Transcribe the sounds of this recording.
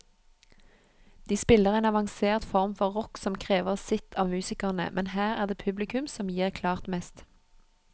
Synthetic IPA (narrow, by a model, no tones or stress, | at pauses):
d̪̥iːspɪləʁeːnɑʋɑŋseːʁt̪fɔʁmfɔʁʁɔksɔmkʰʁeːʋəʁsɪt̪ʰɑːmʉːsɪkəʁnə̰mʔɛnhæːʁæːʁd̪eːpʰʉblɪkʉmsɔmjiːʁkʰlɑːʁt̪mɛst̪